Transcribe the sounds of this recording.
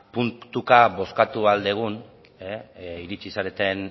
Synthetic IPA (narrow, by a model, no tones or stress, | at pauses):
punt̪ukaβo̞skat̪uald̪e̞ɣ̞un | eiɾit͡sisaɾet̪e̞n